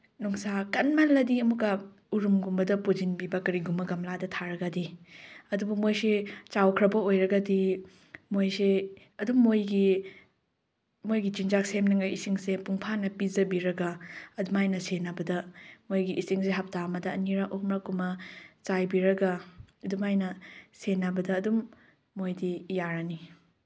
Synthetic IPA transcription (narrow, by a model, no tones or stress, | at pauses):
nuŋsakɐnmalːɐdiɐmukːɐ | uɾumɡumbɐdɐpuzinbibɐkɐɾiɡumɐɡɐmladɐtʰaɾɐɡɐdiɐdubɐmojset͡ʃawkʰɾɐbɐojɾɐɡɐdi | mojse | ɐdumojɡi | mojɡit͡ʃind͡ʒak̚semnɐŋɐisiŋsepuŋpʰanɐpizɐbiɾɐɡɐɐdumajnɐsenɐbɐdɐmojɡiʔisiŋseɦɐp̚tamɐdɐːniɾaʔomɾakumɐt͡ʃajbiɾɐɡɐdumajnɐsenːɐbɐdɐːdumː | ojdijaɾani